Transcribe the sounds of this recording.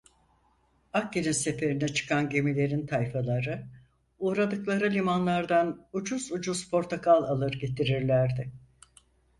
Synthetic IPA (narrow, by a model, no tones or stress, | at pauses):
akcininse̞fe̞ɾinɛt͡ʃʰɯ̥kʰanɟe̞milʲe̞ɾint̪ʰajfalˠaɾɯ | uːɾad̪ɯklˠaɾɯlʲimanlˠaɾd̪anud͡ʒuzud͡ʒuz̥pʰo̞ɾt̪ʰakʰalˠalˠɯɾɟe̞t̪ʰiɾiɾlʲæɾd̪ɪ